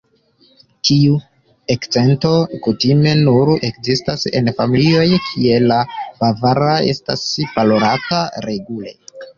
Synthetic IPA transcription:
tʰiu | e̞kt͡se̞nto̞kutime̞nuɾe̞kzistase̞̰nfamilio̞jkʰie̞lafavaɾae̞̰sta̰spaloɾataɾe̞ɡule̞̰

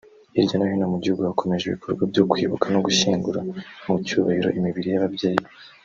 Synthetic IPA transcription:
iɾɟonahonamuɟihuɡuhako̞me̞ʒeβḭkʰo̞ɾɡwabjokwiːβukano̞ɡuʃiːŋɡuɾamucuβahiɾo̞̰ʔimiβiɾijaβabɟeːjii

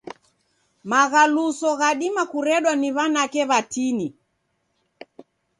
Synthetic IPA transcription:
maɣalusɔɣaɗimakuɾɛɗwaniβanakɛβatini

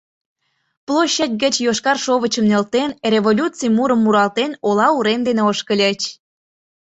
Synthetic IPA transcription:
plˠoɕːət̚ʲɡət͡ɕjoʃkɑrʃoβət͡ɕəmnelt̪enrʲeβolʲut͡sijmuɾəmːuɾɑlt̪enolɑuɾemd̪eneoʃkəlʲet͡ɕ

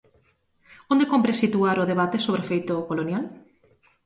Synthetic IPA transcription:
õnd̪ekompɾesit̪uaɾʊðeβat̪esoβɾefejt̪okolonjal

